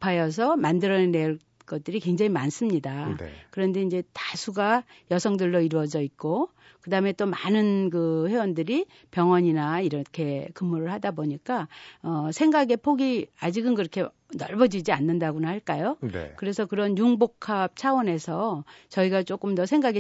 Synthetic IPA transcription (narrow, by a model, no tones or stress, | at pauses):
pʰajʌs̬ʰʌmandɯɾʌneneɭ | k͈ʌt̚t͈ɯɾikweŋd͡ʑaŋimans͈ɯmɲidakɯɾʌnde̞ind͡ʑe̞tasʰuɡa | jʌsʰʌŋdɯɭːoiɾuwʌd͡ʑʌit̚k͈o | kɯdaɦɯme̞t͈omanɯnkɯɸewʌndɯɾi | pjʌŋwʌɲinaiɾʌkʰe̞kɯmːuɾɯɭhadaboɲik͈aʌsʰe̞ŋɡaɡe̞pʰoɡiad͡ʑiɡɯnkɯɾʌkʰe̞ | nʌɭbʌd͡ʑid͡ʑianːɯndaɡunahaɭk͈ajonḛkɯɾe̞sʰʌkɯɾʌnjuŋbokʰap̚t͡ɕʰawʌne̞sʰʌt͡ɕʌiɡat͡ɕ͈ok͈ɯmdʌsʰe̞ŋɡaɡe